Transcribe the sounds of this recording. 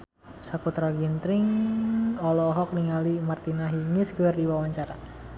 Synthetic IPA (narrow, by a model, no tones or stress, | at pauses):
sakut̪ɾaɡint̪ɾɪŋ | ɔlɔɦɔk̚niŋalimart̪inaɦiŋisɡəɛrdiwawaɲt͡ʃaɾa